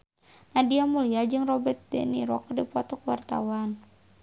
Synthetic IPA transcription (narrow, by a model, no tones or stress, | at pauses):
nadiamuliad͡ʒɨŋrɔbɛrt̪̚dɛ̰niɾɔkrdipɔt̪ɔkəwart̪a̰wan